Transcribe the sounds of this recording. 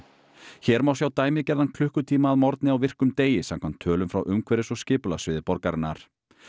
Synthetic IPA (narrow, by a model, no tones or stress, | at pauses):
çɛːɾmawsjawt̪aːjmɪðcɛɾðankʰl̥ʏhkʏt̪ʰiːmaːðmɔɾt̪nɪawvɪr̥kʏmt̪eːjɪsam̥kʰam̥t̪ʰːœːlʏmfɾa̰wʔʏmkʰvɛɾɪsɔɣscɪːpʏlasvɪːðɪpɔɾkaɾɪnːa̰ɾ̥